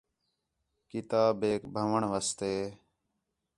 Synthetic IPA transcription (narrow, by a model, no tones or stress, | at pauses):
kɪt̪aːbeːkbʱəʋəɳʋəst̪eː